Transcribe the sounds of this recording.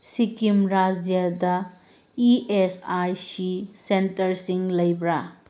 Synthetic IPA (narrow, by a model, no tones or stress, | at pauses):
sikimɾad͡ʒjadɐ | iesajsisentɐɾsiŋlɐjbɾa